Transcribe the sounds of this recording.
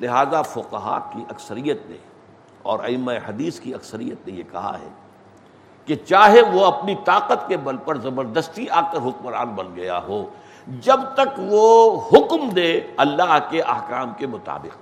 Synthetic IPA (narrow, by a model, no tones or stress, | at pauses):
lɪɦaːzafʊqɐɦa̰ːkiʔɐksəɾijət̪nḛ̃ | ɔːɾɐ̰ɪmːaeɦɐd̪iːskiɐksəɾḭjət̪nẽjekɐ̰ɦa̰ɦɛ̰ː | ket͡ʃaːɦeʋoɐpnit̪aːqət̪kebɐlpɐɾzɐbəɾd̪əst̪iaːkəɾɦʊk̚məɾa̰ːnbɐnɡɐja̰ɦoː | d͡ʒɐbt̪ɐkʋohʊkmd̪eːɐlːaːɦkeʔɐ̰hkaːmkemʊt̪a̰ːbɪ̰q